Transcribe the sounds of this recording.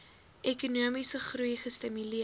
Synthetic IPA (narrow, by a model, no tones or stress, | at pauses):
ʔekunuəmisəχrujχəstəmyli